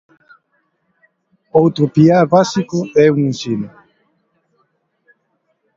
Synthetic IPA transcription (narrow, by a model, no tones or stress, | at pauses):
owt̪ɾopiabasikoɛũŋĩnsinu